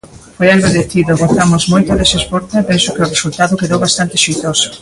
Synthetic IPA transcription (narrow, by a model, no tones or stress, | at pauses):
fojalβeðeθiðoɣoθamʊzmojt̪ʊðesespoɾt̪eepensʊkɪʊresult̪aðʊkeðowβast̪ant̪ɪʃijt̪osʊ̥